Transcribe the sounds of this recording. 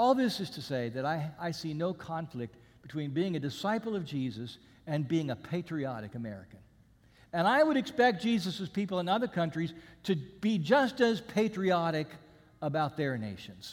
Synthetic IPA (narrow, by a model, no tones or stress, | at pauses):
ɔlˠðɪsɨz̥tʰɨseɪðɨɾaɪaɪsinoʊkʰɑ̃ɱflɪk̚t̚ | b̥ɨtʰw̥ĩnbiɪ̃ŋɨdɨsaɪpl̩ˠʌvd͡ʒizɨs | ɨ̃nbiɪ̃ŋɨpʰeɪt͡ʃɹ̥iɑɾɨkɨmɛ̰ɹɨ̰kɨ̃n | ɨ̃naɪwəɾɨkspɛk̚d̥ʒ̥izɨsɨz̥pipl̩ˠə̃nʌðə˞kʰʌ̃nt͡ʃɹ̥iz̥tʰɨb̥id͡ʒʌstɨz̥pʰeɪt͡ʃɹ̥iɑɾɨk | əbaʊt̪̚ðə˞neɪʃɨ̃nz̥